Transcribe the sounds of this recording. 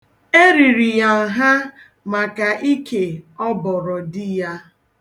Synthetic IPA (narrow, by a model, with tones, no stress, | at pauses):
e˦ɾi˨ɾi˨ja˨ŋ̩˨ɦa˦ | ma˨ka˨ʔi˦kʰe˨ɔ˦bɔ˨ɾɔ˨dɪ˦ja˦